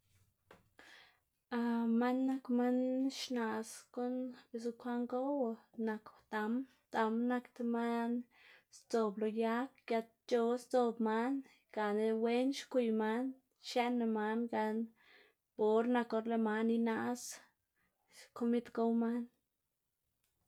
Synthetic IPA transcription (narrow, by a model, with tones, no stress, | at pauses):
a˧ma˦nːa˦kma˦nʃna˨sko˦nbe˧s̬u˧kʰʷa˦ŋɡo˦wna˧kt̪a˧m | t̪a˧mna˧kt̪ma˦n | st͡so˧blo˧ja˦k̚ɡja˧t̪̚t͡ʃo˧st͡so˧bma˦n | ɡ̥a˨ne˧we˦nʃkʷi˧jma˦n | ʃa˦na˧ma˧nɡa˧n | bo˨ɾna˧ko˧ɾle˧ma˧ni˧na˧s | ko˦mi˦t̪ɡo˦wma˦n